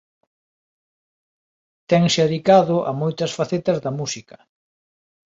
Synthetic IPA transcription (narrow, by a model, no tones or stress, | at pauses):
t̪ɛŋsaðikaðʊʔɐ̰mojt̪ɐsfaθet̪ɐzðɐmusikɐ̥